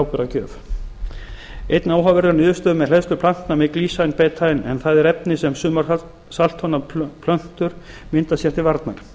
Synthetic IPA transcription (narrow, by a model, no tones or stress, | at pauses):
wpʏɾacœːf | ejt̪naːwɦavɛɾðaɾnʏːðʏst̪œːðmɛðl̥ɛðst̪ʏɾpʰl̥an̥t̪namɛkliːsajnpɛːt̪ʰajɪnɛ̰nθaðɛɾɛp̚nɪsɛmsʏːmaɾ | salt̪hɔnapʰlœn̥t̪ʏɾ̥ | mɪnt̪asjɛɾ̥t̪ʰɪlvaɾt̪naɾ̥